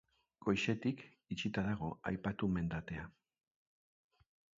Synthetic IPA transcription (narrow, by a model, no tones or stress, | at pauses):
ɡo̞jʃe̞t̪ik | it͡ʃit̪aðaɣ̞o̞a̰jpat̪ume̞nd̪at̪e̞a